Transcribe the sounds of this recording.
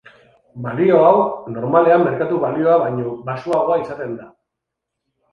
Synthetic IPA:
balio̞awno̞ɾmale̞amːe̞ɾkat̪uβalio̞aβaɲo̞basuaɣoaisat̪e̞nd̪a

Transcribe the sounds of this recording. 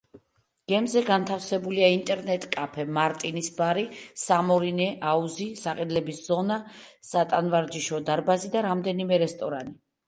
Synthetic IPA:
ɡ̥ɛmzɛɡant̪ʰafsɛbuliaint̪ʼɛɾnɛt̪ʼkʼapʰɛmaɾt̪ʼinisbaɾisamɔɾinɛʔauzisaqʼɛd̪lɛbisz̥ɔnasat̪ʼanvaɾd͡ʒiʃɔd̪aɾbazid̪aɾamd̪ɛnimɛɾɛst̪ʼɔɾani

